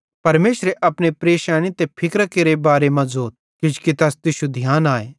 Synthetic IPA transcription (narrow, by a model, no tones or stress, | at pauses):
pɐɾmeːʃɾeʔɐpñepɾeːʃaːɽ̃it̪epʰɪkɾkeːɾebaːɾemãzoːt̪̚kɪd͡ʒkit̪ɐst̪ɪʃud̪ʱjaːnaːeː